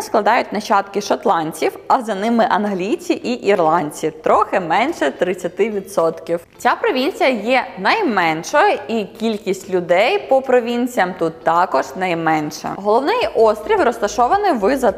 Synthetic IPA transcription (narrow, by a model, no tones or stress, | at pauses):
sklˠɐd̪ɑjʊt̚ʲnɐt͡ʃɑt̪kɪʃɐt̪lˠɑnʲt͡sʲiwɐzɐnɪmɪʔɐnɦlʲijt͡sʲiʔiʔirlˠɑnʲt͡sʲit̪ɾɔxɪmɛnʃɛt̪ɾɪt͡sʲːɐt̪ɪʋʲid̪sɔt̪kʲiwt͡sʲapɾɔʋʲinʲt͡sʲijɐjɛnɐjmɛnʃɔjɐikʲilʲkʲisʲtʲlʲʊd̪ɛjpɔpɾɔʋʲinʲt͡sʲijɐmt̪ut̪ːɑkɔʒnɐjmɛnʃɛ̰ɦɔlˠɔwnɪjʔɔst̪ɾʲiwrɔst̪ɐʃɔʋɐnɪjʋɪzɐ